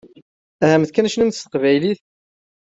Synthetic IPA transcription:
æhæmθkænæʃnənt̪st̪ə̥qvæjliθ

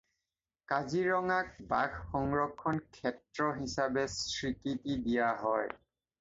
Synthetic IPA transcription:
kaziɹɔŋak̚baxxɔŋɹɔkʰːɔnkʰɛtɹɔɦisabɛsɹikitidijaɦɔj

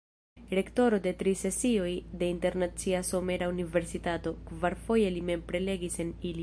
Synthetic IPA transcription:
ɾe̞kto̞ɾo̞de̞tɾise̞sio̞jde̞inte̞ɾnat͡siaso̞me̞ɾaunive̞ɾsitato̞kvaɾfo̞je̞lime̞mpɾe̞le̞ɡise̞nili

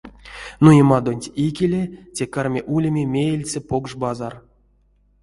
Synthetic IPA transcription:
nujemɑd̪onʲtʲikʲelʲetʲekarmʲeʔulʲemʲemʲejelʲt͡sʲepoɡʐbɑzar

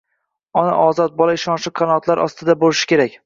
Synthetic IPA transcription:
ɒna̰ʔɒzɒt̪̚bɒlˠaɪʃɒnʃɪqʰanɒt̪laɾʔɒ̰st̪ɪd̪abolɪʃɪ̥kʲʰe̞ɾakʲ

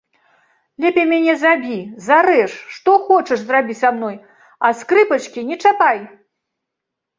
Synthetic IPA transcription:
lʲɛpʲɛmʲanʲɛzabʲizaɾɛʂʂt̪ɔxɔt͡ʂɐʂzrabʲit͡sʲsamnɔj | ɐskɾɨpɐt͡ʂkʲinʲɛt͡ʂapaj

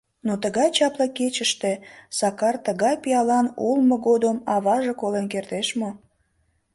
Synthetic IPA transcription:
not̪əɣɑjt͡ɕɑpləket͡ɕəʃt̪esɑkɑrt̪əɣɑjpiɑlɑnulmoɣod̪əmɑβɑʒekolenkert̪eʃmo

